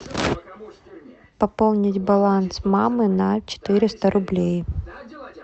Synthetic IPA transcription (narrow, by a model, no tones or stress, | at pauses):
pɐpolˠnʲɪtʲbɐlˠansmamɨnɐt͡ɕɪ̥t̪ɨɾʲɪst̪əɾʔʊblʲej